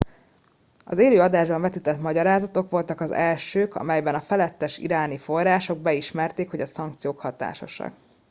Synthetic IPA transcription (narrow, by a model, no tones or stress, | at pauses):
ɒ̰zeːløːɒd̪aːʒbɒɱvɛt̪it̪ɛt̪mɒɟɒɾaːzɒt̪o̞kʋo̞lt̪ɒkɒzɛlʃøːkɒ̰mɛjbɛnɒfɛlɛt̪ːɛʃḭɾaːnifo̞rːaːʃo̞ɡ̚bɛiʃmɛrt̪eːkhoɟɒsɒŋkt̪sijoːkhɒt̪a̰ːʃo̰ʃɒ̰k